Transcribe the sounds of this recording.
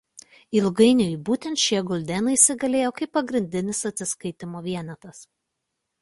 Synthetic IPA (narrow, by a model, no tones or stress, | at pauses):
ɪlˠɡɐɪnʲojɪbuːt̪ʲɛnt̪ʃʲiɛɡɔlʲd̪ʲɛnɐɪsʲɪɡɐlʲeːjoːkɐɪpːɐɡɾʲɪnʲd̪ʲɪnʲɪsɐt̪ʲsʲɪskɐɪt̪ʲɪmoːʋʲiɛnʲɛt̪ɐs